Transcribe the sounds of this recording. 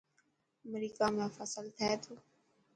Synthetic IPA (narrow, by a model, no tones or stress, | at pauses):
əmɾiːkaːmẽːfəsəlt̪ʰɛːt̪ʰoː